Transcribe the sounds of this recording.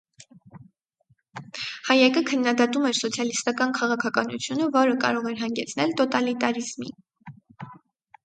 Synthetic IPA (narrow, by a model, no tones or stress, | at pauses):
hɑjɛkəkʰənːɑd̪ɑt̪umɛɾsɔt͡sʰjɑlist̪ɑkɑnkʰɑʁɑkʰɑkɑnṵt͡sʰjunəvɔɾəkɑ̰ɾɔʁɛɾɦɑŋɡɛt͡sʰnɛlt̪ɔt̪ɑlit̪ɑɾizmḭ